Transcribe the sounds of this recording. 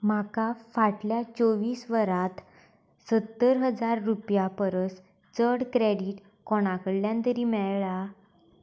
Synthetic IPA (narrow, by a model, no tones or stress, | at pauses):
makafaʈljat͡soʋiːsʋəɾãt̪ | sət̪ːəɾɦəd͡zaɾːupjapəɾəs | t͡səɽkɾeɽiːʈ | kɔɽ̃akəɽljãnt̪əɾiːmɛɭɭa